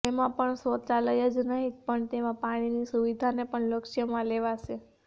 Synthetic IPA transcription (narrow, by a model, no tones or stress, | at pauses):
emãpəɳsot͡ʃaləjəd͡ʒnəɦipəɳt̪emãpaɽ̃inisuʋid̪ʱanepəɳləkʃjəmãleʋaʃe